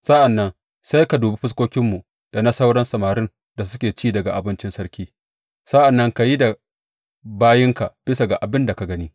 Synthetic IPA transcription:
sa˦ʔa˨nːɐ˦n | sa˦jka˨duː˨be˦ɸɪ˦s̬kʷoː˦kʲɪ˦mːu˨ | d̥a˨nɐ˦sa˦wɽɐ˦nsɐ˨maː˨ɾɪ˦n | da˨sʊ˦kʲeː˨t͡ʃiː˦˨dɐ˨ɡa˨ʔa˨bɪ˦nt͡ʃɪ˦nsɐ˦ɾkʲiː˦ | sa˦ʔa˨nːɐ˦ŋka˨ji˦da˨ | baː˦jɪ˦ŋka˨b̥ɪ˦sa˨ɡa˨ʔa˨bɪ˦nda˨ka˨ɡɐ˦niː˦

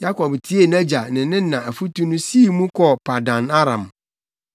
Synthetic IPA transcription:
ja˦kɔ˨btʰi˦e˦˨na˦d͡ʑa˨nɪ̃˨nɪ̃˦nã˨æ˨fu˦tu˦nũ˦siː˦˨mũ˦kʰɔ˦pʰa˨dã˨na˦ɾã˨m

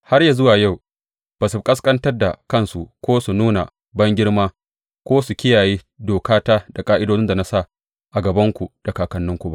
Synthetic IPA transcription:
ha˦rja˨zʊ˦waː˨ja˦˨w | b̥aː˨su˨kʼɐ˦skʼɐ˦ntɐ˦rda˨kɐ˦˨nsu˨kʷoː˦su˨nuː˦na̰˨ | bɐ˦ŋɡʲɪ˦ɽmaː˦ | kʷoː˦su˨kʲɪ˦jaː˨jeː˦ | doː˨kaː˦taː˦da˨kʼaː˦ʔɪ˦doː˦nɪ˦nda˨na˦sa˦˨ | ʔa˨ɡɐ˨bɐ˦ŋkʷu˨d̥a˨kaː˨kɐ˨nːʊ˦ŋkʷu˨ba̰˦ʔ

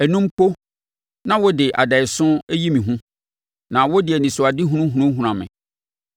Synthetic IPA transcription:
æ˨nũ˦m̩˦po˦ | nã˦wɔ˦dɪ˨ʔa̰˨da˨ɪ˨sʊ̃˦æ˦ji˦mĩ˨ɦũ˦ | nã˨wɔ˦dɪ˨ɛ˨nĩ˨sʊ˨a˨dɪ˦ɦu˦nũ˦ɦu˨nũ˦ɦũ˨ɾã˨mɪ̰̃˨

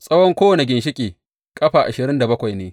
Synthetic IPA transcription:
sʼɐ˦wɔ˦ŋkʷoː˦wɐ˨ne˨ɡʲɪ˨nʃɪ˦kʲʼeː˨ | kʼɐ˦ɸaː˨ʔa˨ʃɪ˨ɾɪ˦nda˨bɐ˦kʷa˨jneː˦

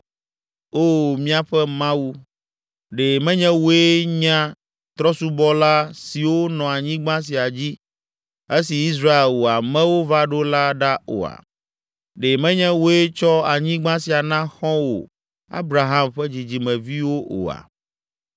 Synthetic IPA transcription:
o˦mĩ˦a˨ɸɛ˦mã˦wu˦ | ɖe˨mɛ̃˦ɲɛ̃˦wo˦e˦ɲã˦ | t̪ɾɔ˦su˦bɔ˦la˦si˨wo˦nɔ̃˨a˨ɲĩ˦ɡ͡bã˦s̬i˨a˨d͡ʑi˦ | e˦si˨i˦s̬ɾa˦e˨lwo˨a˨mɛ̃˦wo˦va˦ɖo˦la˦ɖa˦o̰˨a̰˨ | ɖe˨mɛ̃˦ɲɛ̃˦wo˦e˦t͡ʃɔ˦a˨ɲĩ˦ɡ͡bã˦si˨a˨nã˦xɔ̃˦wo̰˨ | a̰˦bɾa˨ɦa˦mɸɛ˦d͡ʑi˨d͡ʑi˨mɛ̃˨vi˦wo˦ʔo̰˨a̰˨

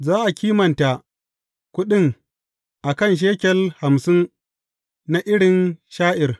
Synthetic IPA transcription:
zaː˦ʔa˨kʲiː˦mɐ˨nta˨ | kʷʊ˦ɗɪ˦ŋ | ʔa˨kɐ˦˨nʃ̬eː˦kʲɛ˦lha˨msɪ˦ŋ | na˨ʔɪ˦ɽɪ˨nʃaː˦ʔɪ˨r

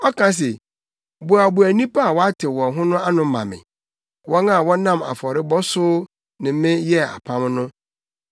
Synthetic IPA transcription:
ɔ˦kʰã˦s̬ɛ˨ | bʊ˨a˨bʊ˨æ˨nĩ˦pʰa˦a˨wɔ˦a˦tʰɪ˨wɔ̃˨ɦʊ̃˦nʊ̃˦a˦nʊ̃˦mã̰˨mɪ̰̃˨ | wɔ̃˦ŋa˨wɔ̃˦nã˦ma̰˨fɔ˨ɾɪ˦bɔ˦sʊ˦ | nɪ̃˨˦mɪ̃˦jɛ˦a̰˨pʰã˦mnʊ̃˦

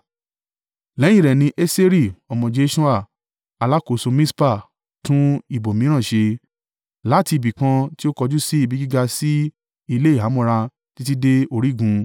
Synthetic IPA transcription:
lɛ̃˨˦ĩ˦˨ɾɛ˨nĩ˧ʔe˦se˦ɾi˦˨ɔ˨mɔ̃˨d͡ʒe˦ʃu˦a˦˨ | a˨˧la˦ko˨so˧mĩ˦spa˦˨ | tũ˦i˦˨bo˨mĩ˨˦ɾ̃ã˦˨ʃe˧ | la˨˦ti˧i˨bi˨kã˧ti˦o˦kɔ˧d͡ʒu˦si˦i˦˨bi˨˦ɡi˦ɡa˧si˦ | i˧le˦i˦˨a˨˦mɔ̃˦˧ɾa˧ | ti˦ti˦de˦o˦˨ɾi˦˨ɡũ˨˧

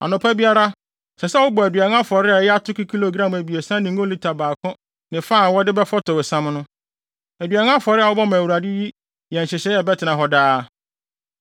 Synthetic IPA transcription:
a̰˨nʊ̃˨pʰa˦bi˦a˦ɾa˦ | sɛ˨sɛ˦wʊ˦bɔ˨æ˨dɥa˨n˦ã˦fɔ˨ɾɪ˦a˨jɛ˦a˦tʰʊ˦ki˦kʰi˦lo˨ɡɾã˦˨mæ˨bi˨e˨sã˦nɪ̃˨ŋ˦ɡõ˦li˦tʰa˨baː˨kʰɔ̃˦ | nɪ̃˨fa˦˨wɔ˦dɪ˦bɛ˦fɔ˦tʰɔ˨ɛ˨sã˦mnʊ̃˦ | æ˨dɥa˨n˦ã˦fɔ˨ɾɪ˦a˨wʊ˦bɔ˦mã˨u˨ɾa˨dɪ˦ji˦ | jɛ̃˨n̩˨ɕɪ˨ɕɛ˨˦jɛ˦bɛ˦tʰɪ˨nã˨ɦɔ˦daː˦

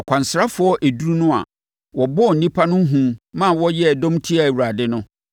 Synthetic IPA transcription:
ɔ˨kʰʷã˨n˨sɾa˦fʊ˨˦ɔ˦ʔe˨du˦ɾu˦nʊ̃˦a̰˨ | wɔ˨bɔ˦˨n̩˨nĩ˦pʰa˦nʊ̃˦ɦũ˨mã˦˨wɔ˦jɛ˦˨dɔ̃˦mtʰi˦a˨wu˨ɾa˨dɪ˦nʊ̃˦

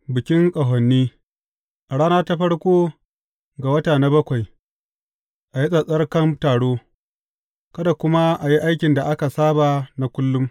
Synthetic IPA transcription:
bɪ˨kʲɪ˦ŋkʼɐ˨ɦɔ˨nːiː˦ | ʔa˨ɽaː˦naː˦ta˦ɸɐ˦ɽkʷoː˦ | ɡa˨wɐ˦taː˨na˦bɐ˦kʷa˨j | ʔa˨ji˦sʼɐ˨sʼɐ˦rkɐ˦mtaː˨ɽoː˦ | kɐ˦da˨kʷʊ˦ma˦ʔa˨ji˦ʔa˦jkʲɪ˨nda˨ʔa˦ka˨saː˦baː˨na˨kʷʊ˦lːʊ˦m

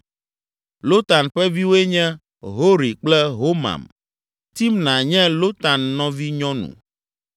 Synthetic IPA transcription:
lo˦t̪a˨nɸɛ˦vi˦wo˦e˦ɲɛ̃˦ | ɦo˦ɾi˨k͡plɛ˦ɦo˦mã̰˨m | t̪i˦mnã˨ɲɛ̃˦lo˦t̪a˨nːɔ̃˦vi˦ɲɔ̃˦nṵ̃˨

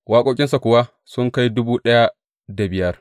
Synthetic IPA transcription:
waː˦kʷʼoː˦kʲʼɪ˦nsa˨kʷʊ˨wa˦ | sʊ˦ŋka˦jdʊ˦buː˦ɗɐ˦ja˦ | da˨bɪ˨jɐ˦r

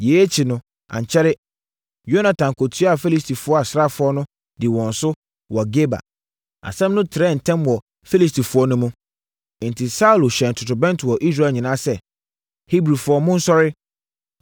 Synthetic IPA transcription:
je˨˦e˦t͡ɕʰi˨nʊ̃˦ | ã̰˨ɲ̩˨t͡ɕʰɛ˦ɾɪ˦ | jo˦nã˨tʰã˨ŋkʰo˨tʰi˦a˨fe˦li˦sti˨fʊ˨˦ɔ˦a˨sɾa˦˨fʊ˨ɔ˦nʊ̃˦ | dɪ˨wɔ̃˨n̩˨sʊ˦ | wɔ˨ɡe˦ba̰˨ | a̰˨sɛ̃˦mnʊ̃˦tʰɪ˨ɾɛ˦˨n̩˨tʰɛ̃˦mwɔ˨ | fe˦li˨stʰi˨fʊ˨˦ɔ˦nʊ̃˦mũ˦˨ | n̩˨tʰɪ˨sa˦u˨lo˨ɕɛ˨n˨tʰʊ˨tʊ˨bɛ̃˦ntɪ˨wɔ˨ʔi˦s̬ɾa˦˨ɲĩ˨nã˦sɛ˨ | hi˦bɾi˨fʊ˨˦ɔ˦mʊ̃˦n̩˦sɔ˦ɾɪ˦

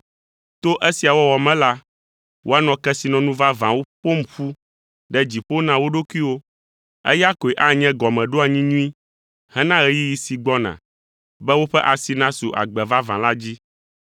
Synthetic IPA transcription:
t̪o˦ʔɛ˦si˨a˨wɔ˦wɔ˨mɛ̃˦la˦ | wʔo˦a˦nɔ̃˨kɛ˦si˨nɔ̃˨nũ˦va˦vã˨wo˦ɸo˦m̩˦ɸu˦ | ɖɛ˦d͡ʑi˨ɸo˦nã˦wo˦ɖo˦kʷi˦wo˦ | ɛ̰˦ja˦ko˨e˨ʔa˦ɲɛ̃˦ɡɔ˨mɛ̃˨ɖo˦a˨ɲĩ˦ɲũ˦ĩ˦ | hɛ˦nã˦ɣɛ˦ji˦ji˨si˨ɡ͡bɔ˦nã̰˨ | bɛ˦wo˦ɸɛ˦ʔa˨si˨nã˦su˨ʔa̰˨ɡ͡bɛ˨va˦vã˨la˦d͡ʑi˦

